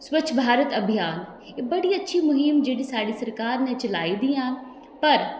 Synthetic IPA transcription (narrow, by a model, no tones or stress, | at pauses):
swɐt͡ʃʰbʱaːɾət̪ɐbʱijaːn | ebɐɽiɐtːʃʰimʊɦɪmd͡ʒeːɽisaːɽisɐɾkaːɾnẽt͡ʃɐlaːid̪iːãːn | pɐɾ